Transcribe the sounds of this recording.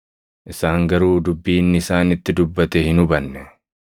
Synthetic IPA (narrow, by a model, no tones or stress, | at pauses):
ʔɪsaːŋɡɐɾuːd̪ʊbːiːnːɪɪsaːnɪt̪ːɪd̪ʊbːɐt̪ɛhɪnʊbɐnːɛ